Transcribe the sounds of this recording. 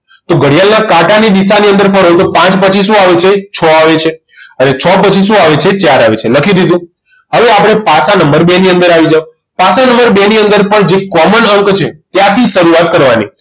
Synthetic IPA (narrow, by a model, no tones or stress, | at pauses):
t̪oɡəɽjalnakaʈanid̪isaniə̃nd̪əɾfʰəɽɦot̪opãt͡ʃpət͡ʃʰisũaʋet͡ʃʰet͡ʃʰɔaʋet͡ʃʰe | ənet͡ʃʰɔpət͡ʃʰis̬ũaʋet͡ʃʰet͡ʃaɾaʋet͡ʃʰeləkʰid̪id̪ũ | ɦəʋeapɽ̃epasanəmbəɾbeniə̃nd̪əɾaʋid͡ʒao | pasanəmbəɾbeniənd̪əɾpəɳd͡ʒekɔmənəŋkt͡ʃʰet̪jat̪ʰiʃəɾuat̪̚kəɾʋanḭ